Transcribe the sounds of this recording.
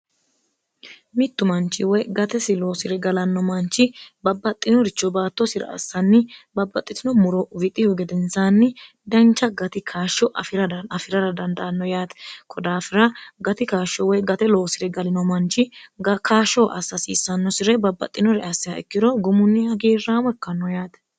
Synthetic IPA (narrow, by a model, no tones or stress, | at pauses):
mɪt̪ːʊmɐnt͡ʃːɪwɔjɡɐt̪ɛsɪloːsɪɾɛɡɐlɐnːɔmɐnt͡ʃːɪbɐbːɐt̪ʼːɪnɔɾɪt͡ʃːɔbaːt̪ːɔsɪɾɐ̰ɐ̰sːɐnːɪbɐbːɐt̪ʼːɪt̪ɪnɔmʊɾɔvɪt̪ʼːɪhɔɡɛd̪ɛnsaːnːɪ | d̪ɐnt͡ʃːɐɡɐt̪ɪkʰaːʃːɔʔɐfɪɾɐɐfɪɾɐɾɐd̪ɐnd̪ɐʔɐnːɔjaːt̪ɛ̥kʰɔd̪aːfɪɾɐɡɐt̪ɪkaːʃɔwɔjɡɐt̪ɛlo̞ːsɪɾɛɡɐlɪnɔmɐnt͡ʃːɪɡkʰaːʃɔʔɐsːɐsiːsːɐnːɔsɪɾɛbɐbːɐ̰t̪ʼːɪnɔɾɛɐsːɪɐɛkːɪɾɔɡʊmʊnːɪɐɡeːrːaːmɔɛkːɐnːɔjaːt̪ɛ̥